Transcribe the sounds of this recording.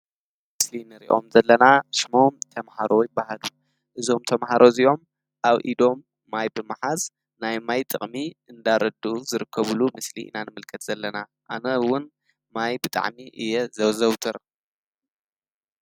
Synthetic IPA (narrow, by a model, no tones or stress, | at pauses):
mɨslinɨɾḭʔo̞̰mzɐlːɐnaʃmo̞mt̪ʰɐmhaɾo̞jɪbːaɦalu | ʔɨzo̞mt̪ʰɐmɦaɾʔo̞ziʔo̞m | ʔaβʔḭd̪o̞mː | ajbɨmaħaz | najmajt̪ʼɨ̰χʼmiʔɨnd̪aɾɐd̪uzɨɾɨkʰːɐβulumɨslḭʔnanɨmɨlkʰɐt̪z̥ɐlːɐna | ʔa̰nɐwʊn | majbɨt̪ʼa̰ʕmiʔɨjɛzɐwzɐwt̪ʰɨɾ